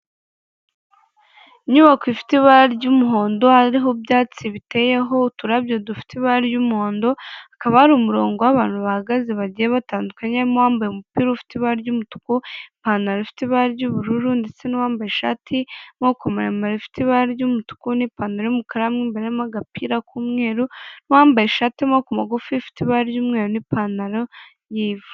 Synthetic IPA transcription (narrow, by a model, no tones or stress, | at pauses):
iɲuβakifi̥tiβaɟumuɦo̞ːndo̞haɾiɦobɟaːt͡siβite̞je̞ɦo̞utuɾabjodufi̥tiβaɾɟumuhoːndo̞akaβahaɾiumuɾo̞ːŋɡo̞waβaːn̥huβahaɡaziβaɟijeβataːndukaɲemowaːmbajemupiːɾoufi̥tiβaɾɟumutu̥kupanaɾefi̥tiβaɾɟuβuɾuɾuːndiseniwaːmbajeʃa̰ːtʰimokomaɾemaɾifi̥tiβaɾjumutu̥kunipaːnaɾojumukaɾamŋiːmbeɾemaɡapiːɾakuːmŋe̞ːɾuniwaːmbajeʃaːtimakumaɡufifi̥tiβajumŋeɾonipanaɾo | jiːvu̥